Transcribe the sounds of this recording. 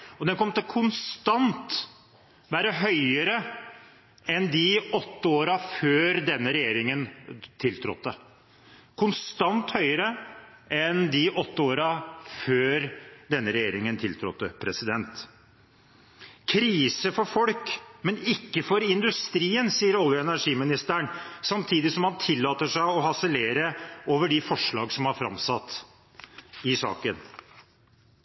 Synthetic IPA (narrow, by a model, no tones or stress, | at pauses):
ɔd̪ɛnkʰɔmt̪əkʰʊnst̪ɑnt̪ | ʋæːɾəɦœʏəɾə | ɛnd̪ɪɔt̪ːəoːɾɑføːɾd̪ɛnːəɾɛjeːɾɪŋənt̪ʰɪlt̪ʰɾɔ̰t̪ːə | kʰʊnst̪ɑnt̪hœʏəɾə | ɛnd̪ɪʔɔt̪ːəoːɾɑføːɾd̪ɛnːəɾɛjeːɾɪŋənt̪ʰɪlt̪ʰɾɔ̰t̪ːəpʰɾɛsɪd̪ɛnt̪ | kʰɾiːsəfɔɾfɔlkmɛnɪkːəfɔɾɪnd̪ʉst̪ɾiːənsiːəɾɔljəɛnæʂiːmɪnɪst̪æɳsɑmt̪ʰiːd̪ɪsɔmhɑnt̪ʰɪlːɑːt̪əʂæɪɔɦɑsəleːɾəoːʋəɖɪfɔʂɭɑːɡsɔmhɑɾfɾɑ̰msɑt̪ː | ɪsɑ̰ːkən